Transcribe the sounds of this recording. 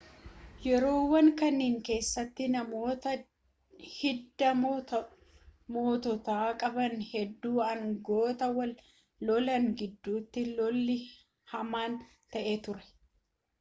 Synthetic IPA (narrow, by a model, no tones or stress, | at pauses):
jɛɾo̞ːwːɐŋkɐnːiːŋke̞ːsːɐt̪ːɪnɐmoːt̪ɐ | hɪd̪ːɐ | mo̞ːt̪ɔt̪aːkʼɐbɐnhɛd̪ːuːɐŋɡo̞ːt̪ɐwɐl | lɔlɐŋɡɪd̪ːuːt̪ːɪlɔlːɪ | hɐmaːn | t̪ɐʔeːt̪ʊɾɛ̥